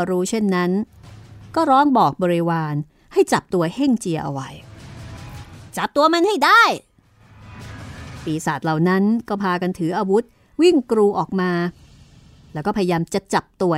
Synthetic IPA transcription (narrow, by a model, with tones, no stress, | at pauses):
ɾuː˦˥t͡ɕʰe˥˩nːa˦˥n | kɔː˥˩ɾɔː˦˥ŋbɔː˨˩k̚bɔː˧ɾi˧waː˧n | ha˥˩jt͡ɕa˨˩p̚t̪u˧ɐhe˥˩ŋt͡ɕi˧ɐʔa̰˧wa˧j | t͡ɕa˨˩p̚t̪u˧ɐma˧nha˥˩jda˥˩j | piː˨˩saː˨˩t̪̚la˨˩wna˦˥nkɔː˥˩pʰaː˧ka˧nt̪ʰɯː˩˦ʔaː˧wu˦˥t̪̚ | wi˥˩ŋkɾuː˧ʔɔː˨˩k̚maː˧ | lɛː˦˥kɔː˥˩a˧ja˧jaː˧mt͡ɕa˨˩t͡ɕa˨˩p̚t̪u˧ɐ